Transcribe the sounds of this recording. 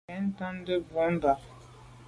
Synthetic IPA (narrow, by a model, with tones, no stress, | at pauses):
ɛ˨˦n̩˦ta˦n˦də˦bɔ˨˦m˦ba˨